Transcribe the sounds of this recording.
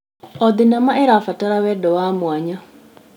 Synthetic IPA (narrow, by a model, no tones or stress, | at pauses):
ɔðɪnamaʔɛɾafataɾawɛdɔwamwaɲɔ